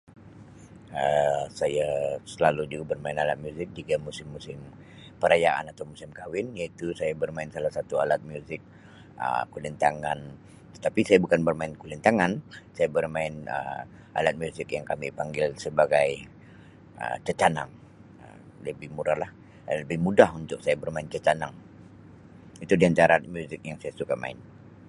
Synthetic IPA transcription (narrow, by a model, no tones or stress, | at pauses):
əsajasəlalud͡ʒuɡabərmaɪnalat̪̚mjuzɪk̚d͡ʒiɡamusɪmːusɪm | pəɾajaʔa̰nat̪awmusɪmkawɪnjait̪usajabərmaɪnsalahsat̪ua̰lat̪̚mjuzɪk̚ | ə̰kulint̪aŋan | t̪ə̥t̪apisajabukanbərmaɪnkulint̪aŋansajabərmaɪnə̰ | ʔa̰lat̪̚mjuzɪkjaŋkamipaŋɡɪlsəbaɡaj | ə̰t͡ʃət͡ʃana̰ŋ | ə | ləbɪhmuɾalah | ləbɪhmudahunt̪ʊk̚sajabərmaɪnt͡ʃət͡ʃanaŋ | it̪udiant̪aɾamjuzɪk̚jaŋsajasukama̰ɪn